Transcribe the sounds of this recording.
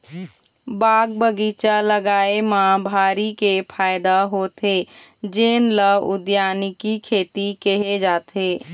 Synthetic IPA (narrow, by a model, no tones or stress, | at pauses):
baːɡbəɡit͡ʃaləɡaːemãbʱaːɾikepʰaːjd̪aɦot̪e | d͡ʒeːnləʊd̪jaːnikikʰeːt̪ikeɦed͡ʒaːt̪ʰe